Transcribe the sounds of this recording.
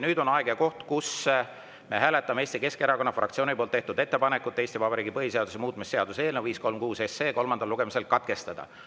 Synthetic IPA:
nyːd̪o̞nɑeɡeɑko̞ht̪kus | me̞ɦæːle̞t̪ːˑɑmeeːsʲt̪ike̞skeɾɑko̞nːɑfrʔɑ̰kt̪sioːnipolt̪ːeht̪ud̪̥e̞t̪ːepɑnekːˑut̪ːˑeːst̪ivɑbɑɾiːɡipɤɦiseɑd̪us̬emuːt̪ˑmisːeɑd̪̥useːlneviːsko̞lmkuːse̞sːe̞ːko̞lmɑnd̪ɑluɡ̥emise̞lkɑt̪̚ke̞st̪ɑd̪̥ɑ̰

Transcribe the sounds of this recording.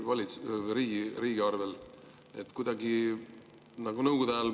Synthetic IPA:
vɑlʲit̪sɾiːɡiɾiːɡiɑrvel | et̪kujd̪̥ɑɡi | nɑɡ̥unɤwɡud̪æl

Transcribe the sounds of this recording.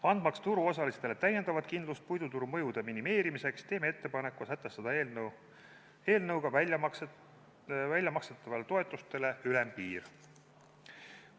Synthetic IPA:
ɑnd̪̥̚mɑkst̪uɾuo̞sɑlist̪e̞le̞t̪æje̞nd̪ɑvɑd̪̥̚kind̪lust̪̚pujd̪ut̪uɾumɤjud̪̥eminime̞ːɾimise̞kst̪e̞ːmeet̪ːepɑne̞kːˑusæt̪ːˑest̪ɑd̪̥ɑe | eːlnɤwɡ̥ɑvæk | vælʲjɑmɑkset̪ːˑɑvɑlet̪o̞e̞t̪ːˑust̪e̞le̞ylempiːr

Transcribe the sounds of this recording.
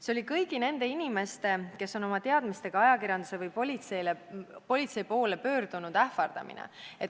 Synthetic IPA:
seo̞lʲikɤjɡ̥ine̞nd̪e̞inʲime̞st̪e̞ke̞sːo̞no̞mɑt̪e̞ɑd̪̥mist̪e̞ɡ̥ɑɑjɑkiɾjɑnd̪̥use̞vɯjpolʲit̪sejlepo̞lʲit̪se̞jpo̞ːle̞pø̞ːɾd̪̥unud̪̥æhfɑrd̪̥ɑ̰mḭnḛet̪

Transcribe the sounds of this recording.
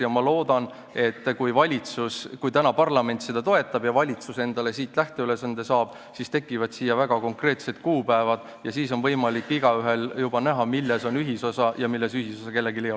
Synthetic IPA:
jɑmɑlo̞ːd̪̥ɑn | e̞t̪ːkujvɑlʲit̪suskujt̪ænɑpɑrlɑme̞nʲt̪se̞d̪̥ɑt̪o̞e̞t̪ːˑɑb̥jɑvɑlʲit̪suse̞nd̪̥ɑle̞siːt̪ˑlæht̪e̞yle̞sɑnd̪̥e̞sɑːb̥ | sist̪e̞kːˑivɑd̪̥siːjːɑvæɡ̥ɑko̞ŋkre̞ːt̪se̞t̪kuːpæevɑd̪̥ | jɑsiːso̞nvɤjmɑlikːiɡ̥ɑyɦe̞ljub̥ɑnæɦɑmilːeso̞nyɦiso̞sɑjɑmilːe̞syɦisosɑke̞lːeɡilejo

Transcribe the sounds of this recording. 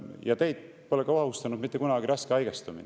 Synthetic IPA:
jɑt̪e̞jd̪̥̚ | po̞lekɑvɑhust̪ɑnud̪̥mit̪ːˑekunɑɡiɾɑskeɑjɡ̥est̪umḭn

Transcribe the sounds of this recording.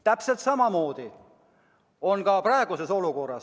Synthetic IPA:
t̪æpselt̪sɑmɑmo̞ːd̪̥i | o̞nkɑprɑeɡ̥use̞so̞luko̞rːɑ̰s

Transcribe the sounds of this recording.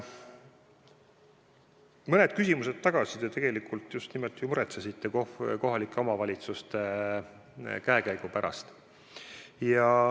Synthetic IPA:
mɤne̞d̪̥̚kysʲimuse̞d̪t̪ːɑɡ̥ɑsid̪̥jɑt̪eɡ̥e̞likult̪ːˑjust̪nimot̪ːˑijumuɾet̪sɑsit̪ːekoko̞ɦɑlikːˑe̞omɑvɑlʲit̪sust̪e̞ | kæekæjɡ̥upæɾʔɑ̰st̪ | jɑ

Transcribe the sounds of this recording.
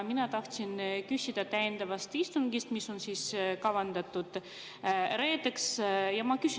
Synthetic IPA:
minɑt̪ɑht̪sinkysʲid̪̥ɑt̪æjend̪̥ɑvɑst̪ist̪uŋɡist̪misːo̞nsiːskɑvɑnd̪̥ɑt̪ːˑud̪̥ | re̞ːd̪eksjɑmɑkys

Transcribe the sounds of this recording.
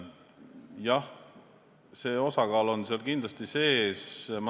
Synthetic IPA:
jɑh | se̞ːo̞sɑkɑːlo̞nseɑlkind̪lɑst̪ise̞ːsm

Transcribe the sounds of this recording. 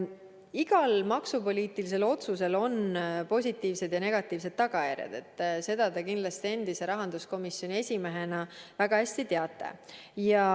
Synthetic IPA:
iɡ̥ɑlmɑksupo̞lʲiːt̪ilis̬e̞lo̞t̪suse̞lo̞npo̞sʲit̪ˑːiːvse̞d̪jɑne̞ɡ̥ɑt̪ːˑiːvse̞d̪̥̚t̪ːɑɡ̥ɑjæ̰ɾjɑ̰d̪̥e̞t̪ːˑse̞d̪̥ɑd̪ɑkind̪lɑst̪ie̞nd̪ise̞ɾɑɦɑnd̪̥usko̞misjonʲie̞sʲime̞ɦe̞nɑvæɡ̥ɑhæsʲt̪it̪e̞ɑt̪ːˑḛjɑ

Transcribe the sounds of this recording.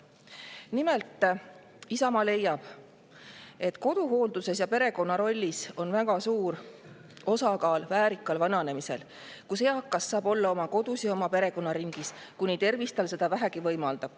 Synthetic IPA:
nime̞lt̪ˑː | isɑmɑle̞jːɑb̥ | e̞t̪ːˑko̞d̪̥uɦo̞ːld̪use̞sjɑpe̞ɾe̞ko̞nːɑɾo̞lʲːiso̞nvæɡ̥ɑsuːɾ | o̞sɑkɑːlvæːɾikːˑɑlvɑnɑne̞mise̞̰l | kuseɑkːˑɑsːɑːbo̞lːɑo̞mɑko̞d̪̥usjɑo̞mɑpe̞ɾe̞ko̞nːɑɾiŋɡ̥iskunit̪e̞rvist̪ɑlse̞d̪̥ɑvæɦækivɤ̞jmɑld̪̥ɑb̥

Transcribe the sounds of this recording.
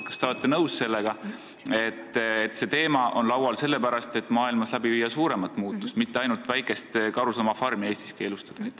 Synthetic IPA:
kɑ̥st̪eolet̪ːˑenɤwsse̞lːeɡ̥ɑ | e̞t̪ːˑet̪ːse̞t̪e̞ːmɑʔo̞nlɑwɑlse̞lːe̞pæɾɑst̪e̞t̪ːˑmɑːilmɑslæbiviːjːɑsuːɾe̞mɑt̪ːˑmuːt̪ːˑu̥st̪mit̪ːe̞ɑjnult̪ˑvæjkˑe̞st̪kɑɾusɑmɑfɑrmie̞ːst̪i̥ske̞ːlust̪ɑ̥d̪i̥

